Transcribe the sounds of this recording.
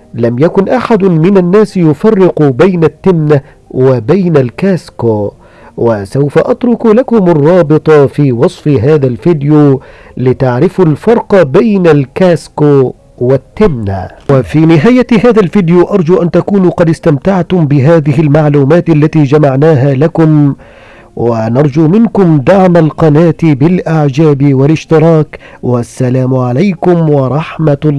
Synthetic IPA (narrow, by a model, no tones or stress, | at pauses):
lamjakʊnʔaħad̪mɪnanːaːsjʊfɑrːɪqubajnat̪ːɪmna | wɪbajnalkaːsko | wasawfaʔɑt̪ɾʊkulakʊmɑrˤːɑːbɨt̪ˤɑfiːwɑsˤfɦaːðalfɪd̪juːlɪt̪aʕɾɪfalfɑɾˤqɑbajnalkaːskoː | wɪt̪ːɪmna̰wafiːnɪɦaːjahaːðalfiːd̪juʔɑɾˤd͡ʒuːʔant̪akuːnuqɑd̪ɪst̪amt̪aʕt̪ʊmbɪɦaːðɪhɪlmaʕluːmaːt̪ʔalːat̪iːd͡ʒamaʕnaːɦaːlakʊm | wanɑɾˤd͡ʒuːmɪnkʊmd̪aʕmalqɑnaːt̪bɪlʔaʕd͡ʒaːbwɪlɪʃt̪ɪɾɑːk | wasːalaːmʕalajkʊmwɑɾˤɑħmat̪ː